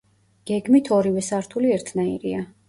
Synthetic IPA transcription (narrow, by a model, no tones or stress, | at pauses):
ɡ̥ɛɡmit̪ʰɔɾivɛsaɾt̪ʰuliɛɾt̪ʰnaḭɾḭa